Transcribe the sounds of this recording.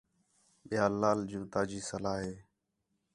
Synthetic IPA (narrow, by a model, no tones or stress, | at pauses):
ɓɪjaːlaːld͡ʒũːt̪aːd͡ʒiːsəlaːɦeː